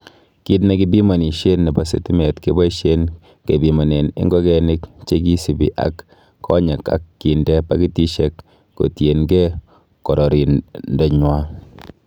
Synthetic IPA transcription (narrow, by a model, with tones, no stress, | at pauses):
ki˦tne˦ki˦bi˦ma˨ni˨ʃe˦nːe˨ba˨sḛ˨ti˦me˨tke˦ba˦i˦ʃe˦n | ke˨bi˨ma˨ne˨nɪ̰˦ŋɡɔ˦kɛ˨ni˦kt͡ʃe˦k̬i˦si˨bḭ˨ʔa̰˨˦kːʰ | ɔ̰˦ɲe˨ka̰˦kːi˨ndɛ˦pa˦ki˦ti˦ʃe˦k | ko̰˨tje˨nɡe˦ | kɔ˨ɾɔ˨ɾi˨ndɔ˨ɲwa˦